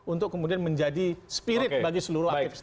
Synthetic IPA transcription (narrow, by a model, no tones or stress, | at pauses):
unt̪ʊkːəmudianmə̃ɲd͡ʒadispiɾɪt̚baɡisəluɾʊhaɪfs